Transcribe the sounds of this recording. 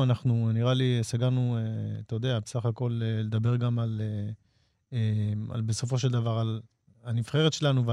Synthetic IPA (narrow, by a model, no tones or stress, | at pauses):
anaχnuniʁaliesaɡaʁnueat̪ajod̪eabesaχako̞lele̞d̪abe̞ʁɡamale | ea̰lbe̞so̞fo̞ʃe̞ld̪avaʁal | anifχe̞ʁet̪ʃe̞lanuv